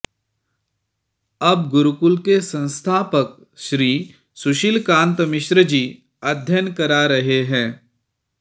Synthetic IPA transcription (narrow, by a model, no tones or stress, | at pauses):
ɐb̚ɡʊɾʊkʊlkesɐ̃nst̪ʰaːpək̚ | ʃɾiː | sʊʃilkãːnt̪əmɪʃɾəd͡ʒiː | ɐd̪ʱjənkɐɾaɾɐɦeɦɛ̃ː